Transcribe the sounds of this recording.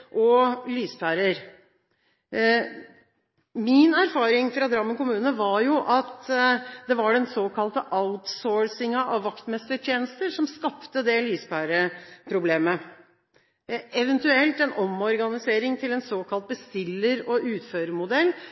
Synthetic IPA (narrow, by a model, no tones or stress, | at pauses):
ʔɔlyːspʰæːɾəɾ | mɪnæɾfɑːɾɪŋfɾɑd̪ɾɑmːənkʊmʉːnəʋɑɾjʊʔɑt̪d̪ɛʋɑɖɛnsoːkʰɑlt̪əʔɑʊt̪soːɹsɪŋɑʔɑʋːɑkt̪mɛst̪əʈʰjeːnəst̪əɾʂɔmskɑpt̪əd̪ɛlyːspʰæːɾəpʰɾʊbleːmə | ɛʋənt̪ʉɛlt̪ɛnʔɔmɔɾɡɑnɪseːɾɪŋt̪ʰɪlɛnsoːkʰɑlt̪̚bəst̪ɪlːəɾɔʔʉːt̪føːɾəmʊd̪ɛlː